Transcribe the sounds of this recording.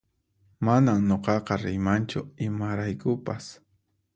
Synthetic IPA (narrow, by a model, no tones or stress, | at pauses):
manaŋɲoqɑqɑɾɪjmant͡ʃʊɪmaɾajkʊpas